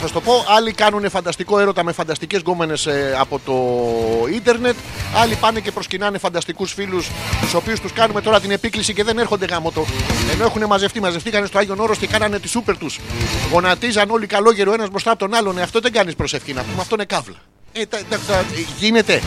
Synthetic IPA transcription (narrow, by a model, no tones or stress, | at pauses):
θɐst̪o̞po̞ʔɐlikɐnunefɐnd̪ɐst̪iko̞e̞ɾo̞t̪ɐmefɐnd̪ɐst̪ice̞zɡo̞me̞ne̞sɐpo̞t̪o̞ind̪e̞ɾne̞t̪ɐlipɐne̞ce̞pɾo̞scinɐne̞fɐnd̪ɐst̪ikusfilust̪uso̞piust̪uskɐnume̞t̪o̞ɾɐt̪ine̞piklisice̞ðe̞ne̞ɾxond̪e̞ɣɐmo̞t̪o̞e̞no̞e̞xune̞mɐze̞ft̪imɐzeft̪ikɐnestoɐʝo̞no̞ɾo̞st̪ekɐnɐne̞t̪isupe̞ɾt̪usɣo̞nɐt̪izɐno̞likɐlo̞ce̞ɾoe̞nɐzmɾo̞st̪ɐpot̪o̞nɐlo̞neɐft̪o̞ðe̞ɡɐnispɾo̞se̞fçinɐpumeɐft̪o̞inekɐvlɐ | et̪ɐt̪ɐt̪ɐʝine̞t̪e̞